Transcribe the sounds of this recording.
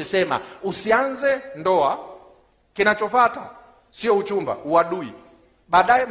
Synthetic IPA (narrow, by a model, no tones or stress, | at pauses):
isɛma̰usianzɛndɔa | kinat͡ʃɔfata | siɔut͡ʃumba̰uaɗuḭ | ɓaːɗajɛ